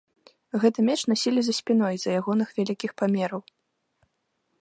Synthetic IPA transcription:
ɣɛt̪ɐmʲɛt͡ʂnasʲilʲizɐsʲpʲinɔjzɐjaɣɔnɨxvʲalʲikʲixpamʲɛɾɐw

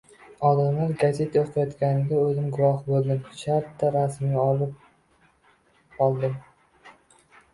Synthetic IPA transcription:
ɒd̪amlaɾɡazet̪ʰaoqʰajɒt̪kʲanɪd̪aɵzɪmɡʊwɒhbolˠd̪ɪmʃaɾt̪ːaɾasmʲaɒlɪp̚ | ɒlˠd̪ɪm

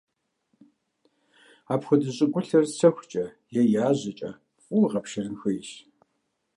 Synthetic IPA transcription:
aːpxʷʊdɨɕʼɪɡʷʊɬɐrt͡sʰɐxʷt͡ʃʼɐ | jɛjaːʑɪt͡ʃʼɐ̰ | fʼuʁɐpʃɪrɨnxɨjʃ

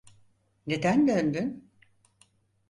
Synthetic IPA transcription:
ned̪ænd̪ønd̪yn

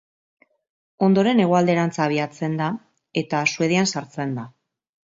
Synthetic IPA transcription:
o̞nd̪o̞ɾe̞ne̞ɣ̞oald̪e̞ɾant͡saːβ̞iat͡se̞nd̪a | e̞t̪asue̞ð̞eansaɾt͡se̞nd̪a

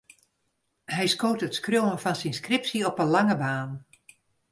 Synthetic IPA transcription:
hɛjskoːtətskrjowənfɔnsinskrɪpsiɔpənlaŋəbaːn

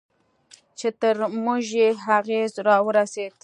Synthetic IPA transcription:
t͡ʃet̪əɾmʊʒjeɦaɣezɾɑwəɾased̪

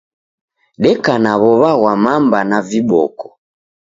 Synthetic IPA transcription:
ɗɛkanaβɔβaɣwamambanaviɓɔ̰kɔ̥

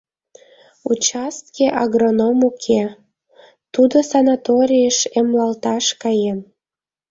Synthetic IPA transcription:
ut͡ɕɑst̪keʔɑɡronomukʰe | t̪ud̪osɑnat̪oɾʲijəʃemlɑlt̪ɑʃkɑjem

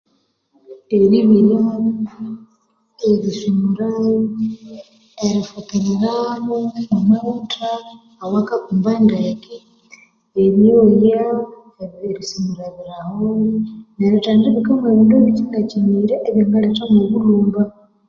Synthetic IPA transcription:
eɾiβiɾja | eɾisumuɾa | eɾifutiɾiɾamoomatʰaː | wakakumbandaki | eɾioja | eɾisumuɾaβiɾahoneɾitaːndiβikameβiːndeβit͡ʃiŋɡaciniɾeʔeβjaːŋɡaletamuβuluːmba

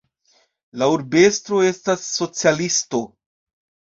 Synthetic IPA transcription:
lauɾbe̞stɾo̞e̞stasːo̞t͡sialisto̞

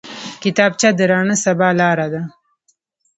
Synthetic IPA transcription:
kɪt̪ɑb̚t͡ʃad̪əɾɑɳəsabɑlɑɾad̪a

